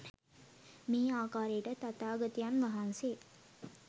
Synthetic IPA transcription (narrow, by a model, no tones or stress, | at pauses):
miːaːkaːɾejəʈət̪at̪aːɡət̪ijanʋaɦanse